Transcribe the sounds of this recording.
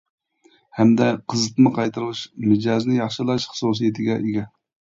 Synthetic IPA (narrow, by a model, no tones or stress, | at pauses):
hɛmd̪ɛqʰəzɨt̪mɨqʰɑjt̪ɨɾɨʁɨʃmɪd͡ʒɑznɪjɑχʃɨlˠɑʃχə̥sus̬ijɪt̪ʰɪɡʲɛʔeɡʲɛ